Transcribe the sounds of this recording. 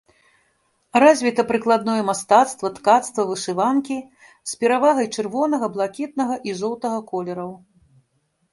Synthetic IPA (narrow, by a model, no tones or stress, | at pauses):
razʲvʲit̪ɐpɾɨklˠad̪nɔjɛmast̪at̪st̪vɐt̪kat̪st̪vɐvɨʂɨvankʲi | spʲɛɾavaɣɐjt͡ʂɨrvɔnɐɣɐblˠakʲit̪̚nɐɣɐʔizɔwt̪ɐɣɐkɔlʲɛɾɐw